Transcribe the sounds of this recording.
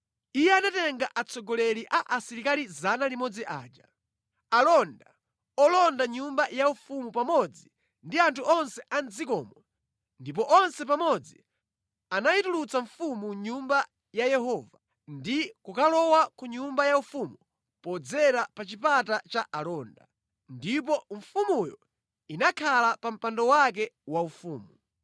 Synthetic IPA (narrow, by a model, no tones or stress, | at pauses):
ijɛanatɛŋɡaʔat͡sʰɔɡɔlɛɾiʔaʔasiɾikalizanalimɔd͡ziʔa̰ːd͡ʒa | alɔnda | ɔlɔndaɲumbajaufumupamɔd͡zi | ndiantʰuʔɔnsɛʔand͡zikɔmɔ | ndip̬ɔʔɔnsɛp̬amɔd͡zi | anajitulut͡saɱfumuɲumba | jajɛɦɔːva | ndikukalɔwakuɲumbajaufumu | pɔd͡zɛɾapat͡ʃipatat͡ʃaʔalɔːnda̰ | ndip̬ɔɱfumujɔ̰ | inakʰalapam̩pandɔwak̬ɛwaufuːmu